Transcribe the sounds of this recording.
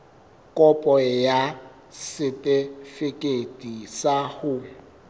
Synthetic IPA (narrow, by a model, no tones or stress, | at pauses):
kʼɔpʼɔja | sɪtʼɪfɪkʼedʼisahʊ